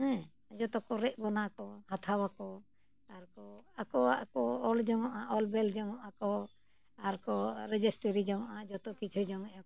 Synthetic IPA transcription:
ɛ̃ | d͡ʒɔt̪ɔkɔɾɛʔ̚bɔnakɔhat̪ʰawakɔ | aɾkɔakɔa̰ʔkɔɔld͡ʒɔŋɔʔaʔɔlbɛld͡ʒɔŋɔʔakɔ | aɾkɔɾɛd͡ʒɛsʈəɾid͡ʒamaʔad͡ʒɔt̪ɔkit͡ʃʰud͡ʒɔŋɛʔɔ

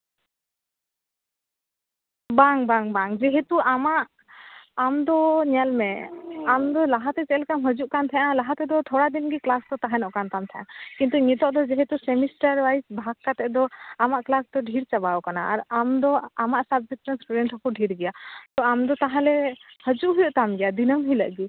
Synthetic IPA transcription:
baŋbaŋbaŋd͡ʒɛɦet̪uamaʔ | amd̪ɔɲalmɛamd̪ɔlaɦat̪ɛt͡ʃɛlkamɦəd͡ʒuʔkant̪ʰɛʔãlaɦat̪ɛd̪ɔt̪ʰɔɽad̪inɡiklast̪ɔt̪aɦɛnɔʔkant̪ant̪ʰɛʔãkint̪uɲit̪ɔʔd̪ɔd͡ʒɛɦet̪usɛmisʈaɾwajsbʱakːat̪ɛʔd̪ɔamaʔklast̪ɔɖʱiɾt͡ʃabawkanaaɾamd̪ɔamaʔsab̚d͡ʒikʈənsʈuɖɛɳʈhɔkuɖʱiɾɡɛjat̪ɔamd̪ɔt̪aɦãlɛhəd͡ʒuʔɦujɔʔt̪amɡɛjad̪inəmɦiləʔɡi

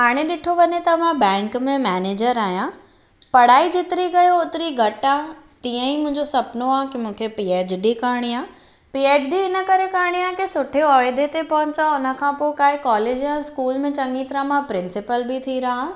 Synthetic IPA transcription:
ɦaːɽ̃eɗɪʈʰoʋɐɲet̪ɐmãbɛ̃ːŋkmẽmɛːneːd͡ʑəɾaːɦjã | pɐɽ̤aːid͡ʑɪt̪ɪɾiɡɐjoʊt̪ɪɾiɡʱɐʈaː | t̪ĩːə̃imʊ̃ɦɪ̃ɲd͡ʑosɐpnoaːkimũːkʰepiːeːt͡ɕɖikaːɽ̃iaː | piːeːd͡ʑɖiɪnə̆kɐɾekaːɽ̃ijãkisʊʈʰeɔːɪd̪et̪epɐɦʊ̃ɲt͡ɕaʊnə̆kʰãpoɪkaːɦɪkaːleːd͡ʑãskuːlmẽt͡ɕɐ̃ŋɡit̪ɾãmãpɾɪ̃nsɪpəlbɪt̪ʰiɾɐɦa

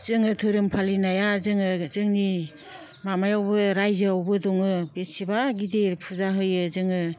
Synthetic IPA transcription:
z̥ɯŋɯtʰɯɾɯmpʰalinajazɯŋɯzɯŋni | mamajawbɯɾajzawbɯdɔŋɯbet̚sibaɡideɾpʰuzaɦɯjɯzɯŋɯ

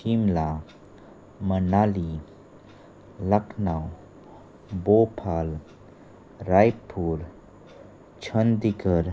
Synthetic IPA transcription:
ʃimla | mənaːli | ləkʰnaw | boːpʰaːl | ɾaːjpʰːuːɾ | t͡ʃʰənd̪iɡəɾ

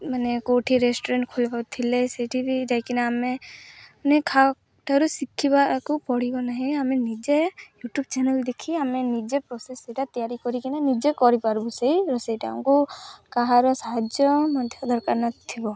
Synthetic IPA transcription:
manekoʈʰiɾesʈɔɾẽɳʈkʰod͡ʒbat̪ʰileseʈʰibid͡ʒajkinaame | nekʰa | ʈʰaɾusikʰːibakupɔɽ̤ibɔnaɦɛ̃amenid͡ʒejuʈjubt͡ʃɛnəld̪ekʰiamenid͡ʒepɾɔseseʈat̪ijaɾikɔɾikinanid͡ʒekɔɾipaɾbusejɾɔsejʈaã̰kukaɦaɾɔsaɦad͡ʒjɔmɔnd̪ʰʱjɔd̪ʱɔɾkaɾnat̪ʰibɔ

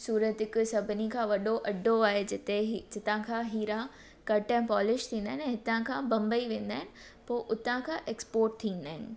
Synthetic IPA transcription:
suːɾət̪ɪksɐbʱɪnikʰãːʋɐɗoʔɐɖʱoaːɦed͡ʑɪt̪eɦd͡ʑɪt̪ãkʰãːɦiːɾã | kɐʈɛ̃pɔːlɪʃt̪ʰĩːnd̪aːɪnɛ̃ɦɪt̪ãkʰãːbɐ̃mbəiʋẽːn̆d̪aːɦɪnɪ̆ | poːʔʊt̪ãkʰãːʔeːkspoːɾʈ̚t̪ʰĩːnd̪aːɦɪnɪ̆

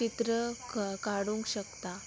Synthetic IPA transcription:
it̪ɾəkaɽũŋkɕəkt̪a

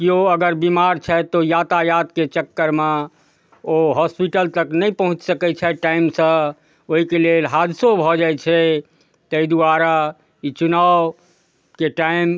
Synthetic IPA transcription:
kioəɡəɾbimaɾt͡ʃʰɛt̪ojat̪ajat̪ket͡ʃəkːəɾme | oɦɔspiʈəlt̪əknɛjpəɦũt͡ʃsəkɛt͡ʃʰɛʈaimsə̃ | oɦikelelɦad̪sobʱɔd͡ʒajt͡ʃʰɛ | t̪əid̪uaɾa | it͡ʃuna | keʈaim

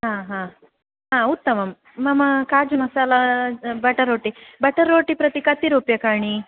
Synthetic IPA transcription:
ɦãːɦãː | ɦãut̪ːɐmɐmː | ɐmɐkaːd͡ʒumɐsaːlɐbɐʈɐɾoːʈibɐʈɐɾoːʈipɾɐt̪ikɐt̪iɾuːpjɐkaːɳi

